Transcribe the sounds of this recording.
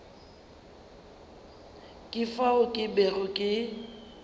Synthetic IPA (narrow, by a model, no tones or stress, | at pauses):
kʼɪfaʊkʼɪberʊkʼɪ